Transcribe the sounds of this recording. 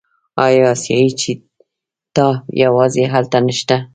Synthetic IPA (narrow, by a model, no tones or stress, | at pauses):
ɑjɑːsjɑit͡ʃe | t̪ɑjawɑzeɦalt̪anəʃt̪a